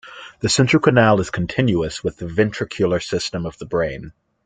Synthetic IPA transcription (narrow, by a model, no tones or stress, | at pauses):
ðɨsɛ̃nt͡ʃɹ̥ə˞kʰɨnælˠəz̥kʰn̩tʰɪ̃njuəswɨðɨvɛ̃nt͡ʃʰɹ̥ɨkʰjul̩ˠə˞sɪstə̃mʌvðəbɹẽɪ̃n